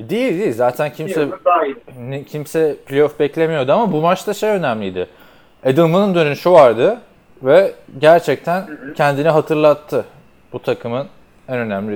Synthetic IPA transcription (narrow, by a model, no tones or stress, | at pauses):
d̪ijilʲd̪izaːt̪ʰæncʰimsɛ | nicʰimsɛpʰlʲeofbɛclʲemijo̞ɾd̪ʊamabumat͡ʃt̪ʰaʃejø̞næmlʲijd̪ɪ | ed̪ɯlˠmɯnɯnd̪ønynyʃuaɾd̪ɯ | vɛɟæɾt͡ʃʰɛc̚t̪ʰæncʰɛnd̪iniɦat̪ʰɯɾlˠat̪ʰːɯ | b̥ut̪ʰakʰɯmɯn | ænø̞næmlʲi